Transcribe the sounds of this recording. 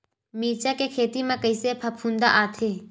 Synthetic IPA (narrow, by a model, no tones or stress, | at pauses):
miːt͡ʃakekʰeːt̪imẽkɐisepʰɐpʰũːnd̪aʔaːt̪ʰeː